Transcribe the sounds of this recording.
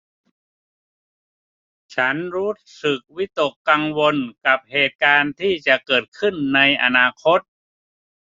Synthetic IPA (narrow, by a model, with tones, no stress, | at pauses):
t͡ɕʰa˦˥nɾuː˦˥ | sɯ˨˩k̚wi˦˥t̪o˨˩kːa˧ŋwo˧nka˨˩p̚heː˨˩t̪̚kaː˧nt̪ʰiː˥˩t͡ɕa˨˩ʔkɤː˨˩t̪̚kʰɯ˥˩nːa˧jʔa̰˧naː˧kʰo˦˥t̪̚